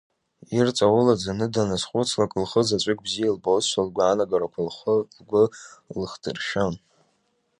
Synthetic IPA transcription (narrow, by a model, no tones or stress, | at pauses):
irt͡sʼawʊlad͡zanɨdanasχʷʼʊt͡sʰlakʼɨlχəzat͡ʃʷʼɪkʼbzijalbolt͡sʰʃʷalɡʷaːnaɡaɾakʷʰalχəlɡʷʊlɨχdʰɨrʃan